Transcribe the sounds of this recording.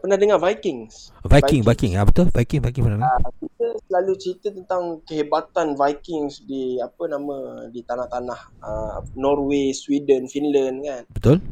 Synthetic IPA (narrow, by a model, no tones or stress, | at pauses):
pənahdəŋavajkɪŋsvajkɪŋvajkɪŋabət̪ʊlvajkiŋvajkiŋpənahdəakit̪əsəlalut͡ʃəɾit̪ət̪ənt̪aŋkəɦebat̪anvajkɪŋsdiapənamə̃dit̪anaht̪anahənɔrweswidənfinlənkanbət̪ʊl